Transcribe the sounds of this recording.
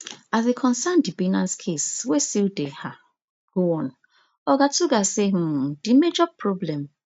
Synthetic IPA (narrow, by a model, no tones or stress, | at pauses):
azekʰɔ̃nsandibinãnskʰeswestildeha | ɡ̥oɔ̃n | ɔɡatuɡaseɦ̩dimed͡ʒɔpɾɔblɛ̃m